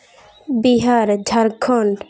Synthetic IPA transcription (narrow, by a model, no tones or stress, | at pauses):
biɦaɾd͡ʒʱaɾkʰoɳɖ